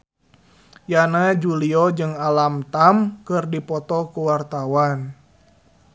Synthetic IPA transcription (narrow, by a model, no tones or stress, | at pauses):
janad͡ʒuliɔd͡ʒɨŋalamt̪amkɨrdipɔt̪ɔkuwart̪awan